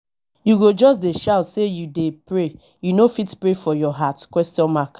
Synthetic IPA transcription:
juɡod͡ʒɔsdeʃaʊtsejudepɾe | junofitpɹefɔjɔɦatkwɛstjɔ̃nmak

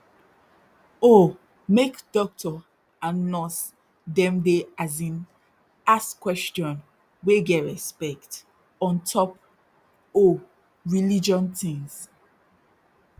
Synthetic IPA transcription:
o | mekdɔk̚tɔ | ãnːɔs | dɛ̃mdeazĩn | askwɛstɔ̃n | weɡɛɹɛspɛkt | ɔ̃ntʰɔp | o | ɹilid͡ʒɔ̃ntĩŋs

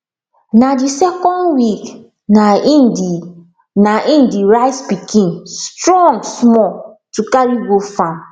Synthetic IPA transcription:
nadisɛkɔ̃ndwik | naidi | naʔĩndiɹaɪtspikʰĩnstɾɔ̃ŋɡsmɔ | tukaɹiɡofãm

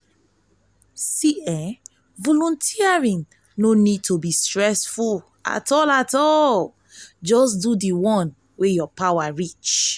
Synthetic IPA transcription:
siɛ | vɔlũntʰiaɹĩn | nonid̚tʰobistɹɛsful | a̰tɔlatɔl | d͡ʒɔs̬dudiwɔ̃n | wejɔpawaɹit͡ʃ

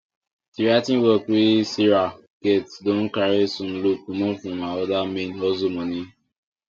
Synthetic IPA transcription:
tiɾatĩnwɔkisiɾa | ɡ̥etdõn̩kaɾesũn̩lukumɔ̃fɔ̃maɔdamẽnɔzomɔ̃ni

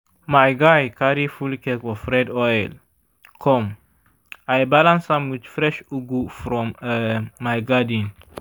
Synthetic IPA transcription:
majɡajkaɾifulkɛkwɔfɹɛdɔjl | kʰɔ̃m | ajbalãnsãmwid̪fɾɛʃuɡufɾɔ̃məːajɡadĩn

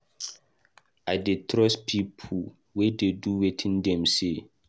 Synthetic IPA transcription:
aɪdetʰɾɔspʰipʰu | wededuwetʰĩndɛ̃mse

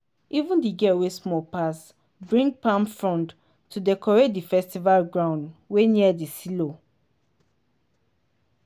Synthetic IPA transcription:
ʔivũndiɡɛwesmɔpas | bɹĩŋɡ̚pãmfɹɔ̃nd | tʰːudɛkʰɔɹedifɛstivalɡɹãʊ̃ndweniɛdisilo

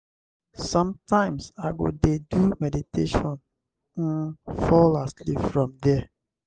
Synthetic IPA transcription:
sɔ̃mtʰãɪ̃msaɡo̰dedumɛditʰeʃɔ̃n | n̩fɔlaslifɹɔ̃mdɛ

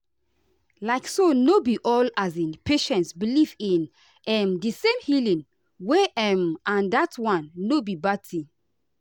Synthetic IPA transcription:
laɪksonobiʔɔlazĩnpʰeʃɛ̃ntsbilivĩn | ɛmdisẽmhilĩn | weʔɛmãndatwãnːobibatʰĩ

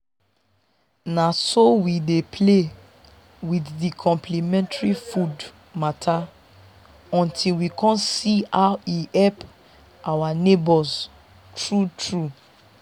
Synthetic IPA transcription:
nasowidepʰle | widdikʰɔ̃mpʰlimɛ̃ntaɹifud | matʰa | ɔ̃ntʰilwikʰɔ̃nsiawihɛlp | ʔawanebɔz | tɹutɹu

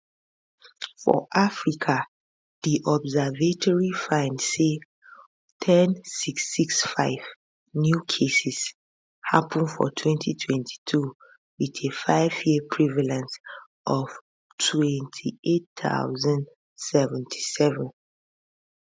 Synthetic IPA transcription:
fɔ̰ʔafɹikʰa | ðiʔɔbzəvetʰɔɹifãɪ̃ndse | tʰɛ̃nsiksiksfaɪv̥ | njukʰesɛs | hapʰə̃nfɔ̰tʰwɛ̃ntʰitʰwɛ̃ntʰi̥tʰu | wiðefaɪvjiəpʰɹivalɛ̃ns | ʔɔv̥ | tʰwɛ̃ntʰietθa̰ʊzə̃nd | sɛvɛ̃ntʰi̥sɛvə̃n

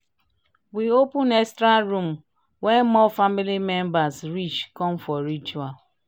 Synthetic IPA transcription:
wiopũnɛkstɾaɹũm | wɛmɔfamilimɛ̃mbasɹit͡ʃkɔ̃mfɔɹit͡ʃual

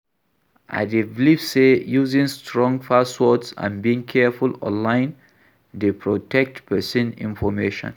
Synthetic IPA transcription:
ʔa̰divlifsejuzĩŋstʰɹɔ̃ŋfasɔtsã̰nbiĩŋkʰɛfulɔ̰̃nlãɪ̃n | depʰɹotɛk̚tpɛsĩnḭ̃nfɔmeʃɔ̰̃n

